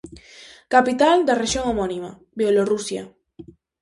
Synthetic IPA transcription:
kapit̪ald̪areʃjoŋomonima̰ | bjelorusja̰

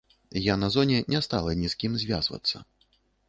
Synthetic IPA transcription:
janɐzɔnʲɛnʲɛst̪alˠɐnʲiskʲimzʲvʲa̰zvɐ̰t̪sːɐ̰

